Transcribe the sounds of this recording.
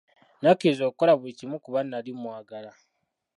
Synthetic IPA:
nakezoːkolaβuicimukuβanːalimwaːɡala

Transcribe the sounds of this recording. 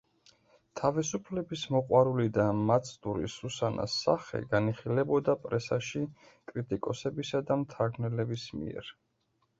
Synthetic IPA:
t̪ʰavisupʰlɛbismɔqʼwaɾulid̪amat̪sʰʼd̪uɾḭsusanʔa̰sːaχɛ̰ɡaniχilɛbɔd̪apʼɾɛsaʃi | kʼɾit̪ʼikʼɔsɛbisad̪amt̪ʰaɾɡnɛlɛbismḭɛ̰ɾ

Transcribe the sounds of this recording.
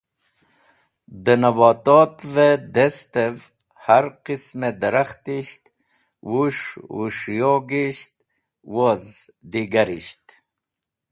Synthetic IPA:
d̪ənɐbɑːt̪ot̪ved̪est̪ev | haɾqismed̪ɐɾaxt̪iʃt̪ | wuʂṵʂjoɡiʃt̪̚ | wozd̪iɡaɾḭɕt̪

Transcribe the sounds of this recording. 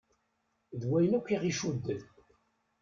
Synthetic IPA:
ðwæjnækʷːiʁiʃud̪ːəð

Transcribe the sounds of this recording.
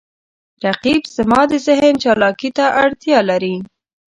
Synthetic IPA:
ɾaqibz̥əmɑd̪əzɪɦənt͡ʃɑlɑkit̪aʔaɽt̪jɑlaɾi

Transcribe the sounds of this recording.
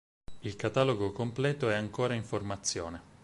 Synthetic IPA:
ilkat̪aloɡokomplɛːt̪oɛaŋkoːɾaiɱformat̪sːjoːne

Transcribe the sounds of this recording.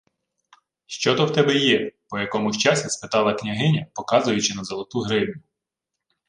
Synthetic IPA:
ʃt͡ʃɔt̪ɔwt̪ɛbɛjɛpɔjɐkɔmʊʃt͡ʃɑsʲispɪt̪ɑlˠɐknʲɐɦɪnʲɐpɔkɑzʊjʊt͡ʃɪnɐzɔlˠɔt̪uɦɾɪwnʲʊ

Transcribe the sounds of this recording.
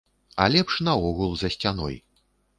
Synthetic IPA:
a̰lʲɛpʂnɐɔɣulˠzɐsʲt͡sʲanɔ̰j

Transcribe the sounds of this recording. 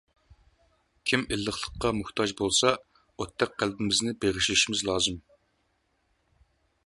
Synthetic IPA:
kʲʰimilːəχlˠəqːɑmʊht̪ʰɑd͡ʒbolˠsɑ | ot̪ʰːɛk̚qælbɪmɪznɪbeʁɪʃiʃimɪzlˠɑːzɨm

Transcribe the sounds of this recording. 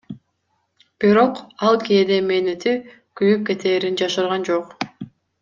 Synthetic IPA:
b̥iɾo̞qɑlˠkeːd̪emenet̪i | kyjyp̚ke̞t̪ʰe̞ːɾind͡ʒɑʃɯɾʁɑnd͡ʒoq

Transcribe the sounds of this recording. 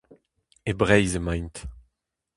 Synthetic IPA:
ebʁɛjzemãj̃nt̪

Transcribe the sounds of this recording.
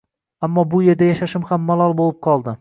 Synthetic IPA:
amːɒbʊje̞ɾd̪ajaʃaʃɪmhamːalˠɒlˠbolɪp̚qʰɒlˠd̪ɪ

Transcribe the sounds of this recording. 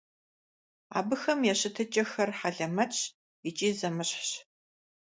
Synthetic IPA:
a̰ːbɨxɐmjɛɕɪtʰɐt͡ʃʼɐxɐrħaɮɐmɐt͡ʃʰʼ | it͡ʃʼiːzɐmɨɕħɕ

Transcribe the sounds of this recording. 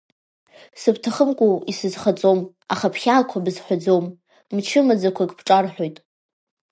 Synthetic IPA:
sɨbtʰaχəmkʷʼoisɨzχat͡sʼom | aχapʰχʲakʷʰabɨzħʷad͡zowm | mt͡ʃʰɪmad͡zakʷʰakʼpʰʈ͡ʂʼarħʷᶣo̞jtʼ

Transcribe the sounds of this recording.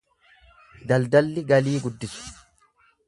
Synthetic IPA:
d̪ɐld̪ɐlːɪɡɐliːɡʊd̪ːɪsʊ̥

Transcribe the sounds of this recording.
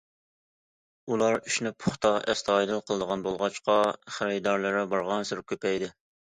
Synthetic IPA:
ulˠɑɾyʃnɪpʰʊχt̪ʰɑʔɛ̰st̪ʰɑːjd̪ɨlˠqʰəlˠəd̪əʁɑnbolˠʁɑt͡ʃqɑχəɾɪjd̪ɑɾlˠɨɾɛbɑɾʁɑnsɪɾkʲʰøpɛjd̪ɪ

